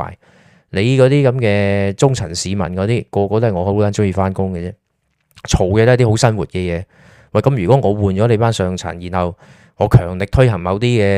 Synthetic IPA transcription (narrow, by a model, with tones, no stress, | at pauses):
j | le˨˧jkɔː˨˧˥t̪iː˥kɐ˨˥mkɛː˧t͡sʊ˥ŋt͡sʰɐ˨˩nsiː˨˧mɐ̰˨˩nkɔː˨˧t̪iː˥kɔː˧kɔː˧t̪o˥˨˩ŋɔː˨˧ho˨˧˥kaː˨˥nt͡sʊ˥ŋjiː˨˧faː˥nkʊ˥ŋkɛ˧t͡sɛː˥ | t͡ʃʰo˨˩wkɛː˧to˥˨˧t̪iː˥ho˨˥wsɐ˥nwuː˨˩t̚kɛ˧jɛː˨˧ | wɐ˨jkɐ˦˥mjyː˨˩kɔ˨˦˥ŋɔː˨˧wuː˨nt͡ʃɔː˨˥le˨˧jpaː˥nsœː˧ŋt͡sʰɐ̰˨˩njiː˨˩nhɐ˨w | ŋɔː˨˧kʰœː˨˩ŋlɪ˨k̚t̪ʰɵ˥hɐ˨˩ŋmɐ˨˧wt̪iː˥kɛː˧